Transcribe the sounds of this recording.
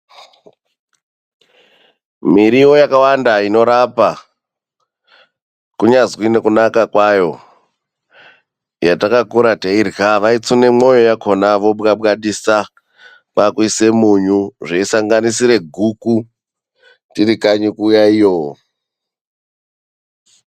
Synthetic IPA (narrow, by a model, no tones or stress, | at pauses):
miɾiwo̞jakawandaino̞ɾapa | kuɲazkinekunakakwajo̞ | jatakakuɾateirɣaʋait͡sune̞mo̞jo̞jakʰo̞naʋo̞ɓɣaɓɣaɗisa | kakuise̞muɲuʐeisaŋɡanisiɾe̞ɡʱuku | tiɾikaɲikujaijo